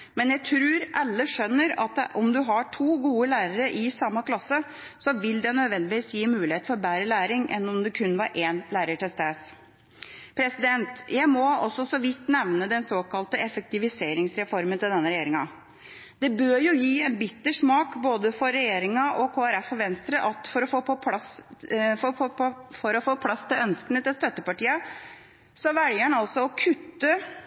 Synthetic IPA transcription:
mɛnjæɪt̪ʰɾʉːɾʔɑlːəʂœnːəɾɑt̪ʔɔmd̪ʉɦɑʈʰuːɡuːəlæːɾəɾəʔɪsɑmːɑkʰlɑsːə | sɔʋɪld̪ɛnød̪ʋɛnd̪ɪʋiːsjiːmʉːlɪheːt̪̩fɔɾbæːɾəlæːɾɪŋʔɛ̰nːɔmd̪ɛkʰʉnːʋɑɾʔeːnlæːɾəʈɪlst̪eːs | pʰɾɛsɪd̪ɛnt̪jæɪmɔɔsːɔsɔʋɪt̪ːnɛʋnəd̪ɛnsoːkɑlt̪əɛfək̚t̪ɪʋɪseːɾɪŋsɾɛfɔɾmənt̪ɪld̪ɛnːəɾɛjeːɾɪŋɑ | d̪̥ɛbøːɾjʊjiːɛnbɪt̪ːəʂmɑːkboːd̪əfɔɾːɛjeːɾɪŋɑʔɔkʰoːæɾɛfɔʋɛnst̪ɾəʔɑt̪fɔɾɔfoːpɔpʰɑsf | fɔɾɔfoːpʰlɑst̪ʰɪlœnskənət̪ɪlst̪œt̪ːəpɑʈiːə | sɔʋɛljəɳɑlsɔɔkʰʉt̪ːə

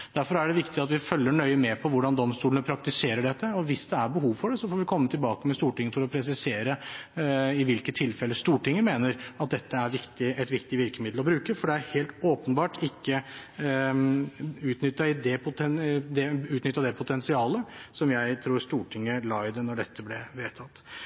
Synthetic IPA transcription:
d̪̥æɾfɔɾæɖɛʋɪkt̪ɪɑt̪ʋɪfœlːəɳœʏəmɛpʰɔʋʊɖɑnd̪ɔmst̪uːlənəpʰɾɑkt̪ɪseːɾəɖɛt̪ːəɔʋɪsd̪ɛæɾbəɦuːʋfɔɖɛsɔfoːɾʋɪkʰɔmːət̪ʰɪlbɑːkəmɛst̪uːʈɪŋːəfɔɾɔpʰɾɛs̬ɪseːɾə | ɪʋɪlkət̪ʰːɪlfɛlːəst̪uːʈɪŋːəmeːnəɾɑt̪̚d̪ɛt̪ːəæɾʋɪkt̪ɪɛt̪ʋɪkt̪ɪʋɪɾkəmɪd̪l̩ɔbɾʉːkəfɔɖɛæɾheːlt̪oːpənbɑːʈɪkːə | ʉːt̪nʏt̪ːɑɪd̪ɛpʰʊt̪ɛnd̪ɛʉːt̪nʏt̪ːɑd̪ɛpʰʊt̪ʰɛnsɪɑːləsɔmjæɪt̪ʰɾuːɾst̪uːʈʰɪŋːəlɑːɪd̪ənɔɖɛt̪ʰːəblɛʋeːt̪ʰɑt̪ː

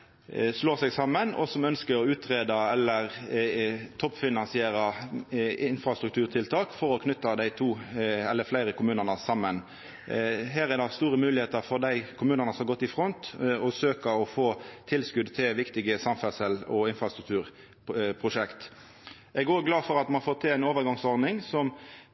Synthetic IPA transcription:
sloːsɛɡsɑmːənɔ̰sɔmœnskəɾɔʉːt̪ʰʁeːd̪ɑɛlːəʁ | t̪ʰɔpːfɪnɑnsɪeːɾɑ | ɪnfɾʁɑst̪ɾʉk̚t̪ʰʉːʁt̪ʰɪlt̪ʰɑːkfɔɾɔkʰnʏt̪ːɑd̪æɪt̪ʰuːɛlːəflæɪɾəkʰʊmʉːnəʁnəsɑmːən | ɦæːɾɛd̪ɑst̪uːɾəmʉːlɪheːt̪əfɔʁd̪æɪkʰʊmʉːnənəsɔmɑɡɔt̪ːɪfɾɔnt̪ɔsøːkɑɔfoːt̪ʰɪlskʉd̪t̪ʰɪlʋɪkt̪ɪɡəsɑmfæsəlɔɪnfɾɑst̪ɾʉk̚t̪ʰʉːʁ | pʰʁʊʂɛkt̪ | ɛɡoːɡlɑːfɔɾɑt̪mɑnɑfɔːtt̪ʰɪlæɪnoːʋəʁɡɑŋsɔɾdnɪŋsɔm

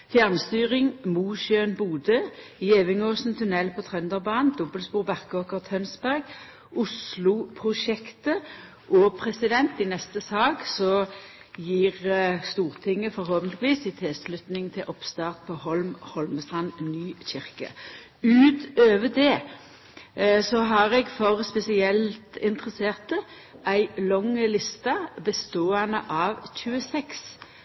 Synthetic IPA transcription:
fjæʁnst̪yːʁɪŋmuːʃøːnbuːd̪əjeːʋɪŋoːsnt̪ʰʉnɛlpʰɔt̪ʰʁœnd̪əʁbɑːnnd̪ɔbəlspuːʁbæʁkəoːkəʁt̪ʰhœnsbæʁɡ | ʊslʊpʰʁʊʃɛkt̪ə | ʔɔpʰʁɛsɪd̪ɛnt̪ɪnɛst̪əsɑːɡsɔ | jiːʁst̪uːʁt̪ʰɪŋːəfɔɾhoːpənt̪lɪʋiːsɪt̪ʰɪlslʉt̪nɪŋt̪ʰɪlʔɔpst̪ɑːʁt̪̚pʰɔhɔlmhɔlməst̪ʁɑnnyːçɪʁkɑ̰ | ʉːt̪øːʋəd̪ɛ | sɔɦɑʁɛɡfɔʁspɛsɪɛlt̪ɪnt̪ʁəseːʁt̪ə | ʔæɪlɔŋəlɪst̪ɑbəst̪oːɛnə̰ʔɑːʋçʉːəsɛks

